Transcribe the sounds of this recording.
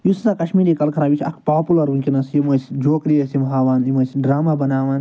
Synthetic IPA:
jusisakɐʃmiːɾikɐlkʰɐɾãːʋit͡ʃʲʰɐ̰kʰpaːpulɐɾuŋkʲinɐsjimɐsʲd͡ʒoːkɾijɐsimɦaːʋaːnimɐsʲɖɾaːmaːbɐnaːʋaːn

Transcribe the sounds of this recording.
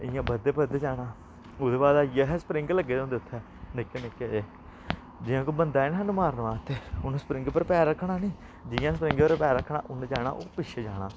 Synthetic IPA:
ɪ̰jãːbəd̪eːpəd̪ed͡ʒaːɽaː | oːd̪eːbaːd̪aːjəɦsə̥pɾɪ̃ŋɡləɡːeːõnd̪ɪʊt̪ʰːɛː | nɪkːeːnɪkːeːeː | d͡ʒɪjãːkoːbənd̪aːenːaːnuːmaːɾnʋaːt̪eːʊnːspɾɪ̃ŋɡpəɾpɛːɾːəkʰːɽaːnĩː | d͡ʒɪjãːspɾɪŋɡəɾpɛːɾəkʰːɽa̰ːʔʊnd͡ʒaːna̰ːʔoːpɪʃʰeːd͡ʒaːɽa̰ː

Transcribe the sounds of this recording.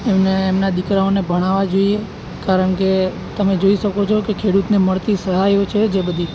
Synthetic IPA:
emneːmnad̪ikɾaonebʱəɽ̃aʋad͡ʒoie | kaɾəɳke | t̪əmed͡ʒoiʃəkot͡ʃʰokekʰeɽut̪neməɭt̪isəɦajot͡ʃʰed͡ʒebəd̪ʱi

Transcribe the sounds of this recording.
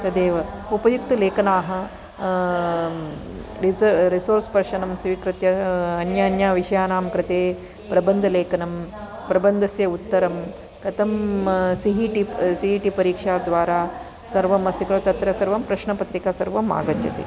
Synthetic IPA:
t̪ɐd̪eːʋɐupɐjuk̚t̪ɐleːkɐnaːɦɐ̆ | ɾiɾisoːɾspɐɾʂɐnɐmsɐʋikɾɪt̪jɐːnjɐːnjaːʋiʂɐjaːnaːmkɾɪt̪eː | pɾɐbɐnd̪ʱɐleːkɐnɐm | pɾɐbɐnd̪ʱɐsjɐut̪ːɐɾɐm | kɐt̪ɐmsiɦiːʈisiɦiːʈipɐɾiːkʂaːd̪ʋaːɾaː | sɐɾʋɐmɐst̪ikɐɭɐt̪ɐt̪ɾɐsɐɾʋɐmpɾɐʃɳɐpɐt̪ɾikaːsɐɾʋɐma̰ːɡɐd͡ʒjɐ̰t̪ḛ

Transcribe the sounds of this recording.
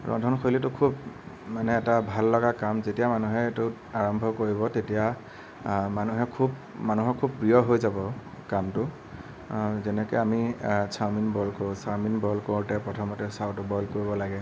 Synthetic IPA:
ɹʔɔ̰ndʱɔnxʰojlitʊkʰub | manɛːtabʱalːɔɡakamzetijamanuɦɛetʊ | aɹɔmbʱɔkoɹiβɔtetija | manuɦɛkʰub | manuɦɔkʰːub̚pɹijɔɦojzabɔ | kamtʊ | zɛnɛkɛamisʰaminbɔlkoɹʊ̃saminbɔlkoɹʊtɛpɹɔtʰɔmɔtɛsawtʊbɔlkoɹibɔlaɡɛ

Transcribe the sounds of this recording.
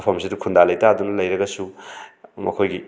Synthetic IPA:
pʰɐmsidukʰundalɐjtaːd̪unɐlɐjɾɐɡɐsu | mɐkʰojɡi

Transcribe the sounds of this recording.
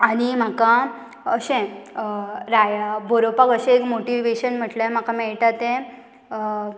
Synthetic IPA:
aɽ̃im̤aka | əɕẽ | ɾajabʱoɾopakəɕẽekmoʈiʋeɕənm̤əʈlam̤akamɛɭʈat̪ẽ

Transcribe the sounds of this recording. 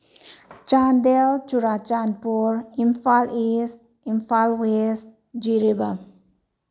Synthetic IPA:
t͡ʃand̪elt͡ʃuɾat͡ʃanpuɾimfalist̚ | imfalwest̚ | d͡ʒiɾiba

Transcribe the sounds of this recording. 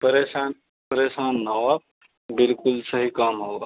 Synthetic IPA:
pɐɾeːʃaːn | pɐɾeːʃaːnːɐʋa | bɪlkʊlsɐɦikaːmɦoːɡaː

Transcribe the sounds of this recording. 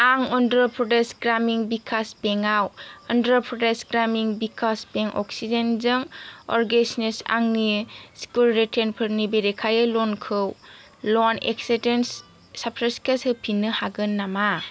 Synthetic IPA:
aŋɔndɾɔpʰɾɔdesɡɾamiŋbikʰaspeŋawɔndɾɔpʰɾɔdesɡɾamiŋbikʰaspeŋʔɔ̰ksizenzɯŋɔ̰ɾɡesnesa̰ŋnisi̥kulɾetʰenpʰɯɾnibeɾekʰajɯlɔnkʰɯw | lɔnḛksedensː | apʰɾeskeshɯpʰinːɯhaɡɯnːama

